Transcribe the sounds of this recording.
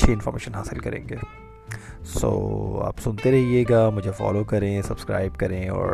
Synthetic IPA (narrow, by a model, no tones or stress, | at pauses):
ʃʰeɪ̃nfɔːɾmḛːʃənɦaːsɪlkɐɾḛ̃ːŋɡeː | so̰ːa̰ːpsʊnt̪eɾɛɦieːɡaːmʊd͡ʒʱefɔ̰ːlokɐɾẽsɐbskɾa̰ːɪb̚kɐɾẽɔ̰ːɾ